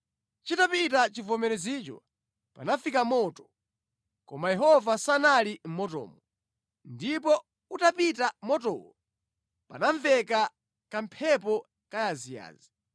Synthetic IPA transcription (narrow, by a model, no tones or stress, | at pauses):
t͡ʃitapitat͡ʃivɔmɛɾɛzit͡ʃɔ̰ | pa̰nafikamɔtɔ̥ | kɔmajɛɦɔvasanalim̩mɔtɔ̰ːmɔ | ndipɔ | utapitamɔtɔwɔ | panaɱvɛka | kampʰɛp̬ɔ | kajazija̰ːzi